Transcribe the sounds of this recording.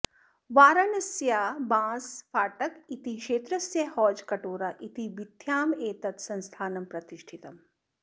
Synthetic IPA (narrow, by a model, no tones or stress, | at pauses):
ʋaːɾɐnɐsjaːbãːsfaːʈɐkit̪iʃeːt̪ɾɐsjɐhɔːd͡ʒkɐʈoːɾɐʔit̪ibid̪ʱjaːmeːt̪ɐt̪sɐ̃nst̪ʰaːnɐmpɾɐt̪iʃʈʰit̪ɐm